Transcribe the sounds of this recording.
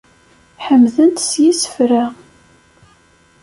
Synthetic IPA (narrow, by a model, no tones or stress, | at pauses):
ħəmðənt̪sjisə̥fɾa